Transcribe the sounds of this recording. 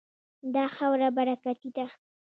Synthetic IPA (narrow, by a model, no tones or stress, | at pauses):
d̪ɑxawɾabaɾakat̪id̪a